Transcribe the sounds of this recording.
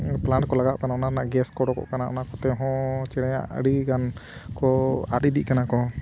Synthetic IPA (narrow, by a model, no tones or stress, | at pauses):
plaɳʈkɔlaɡaʔkanaɔnaɾnaʔɡɛskɔɽɔkɔ̰ʔkanaʔɔ̰naʔkɔt̪ɛɦɔ̃t͡ʃɛɽɛja̰ʔə̰ɽiɡan | kɔaɾid̪iʔkanakɔ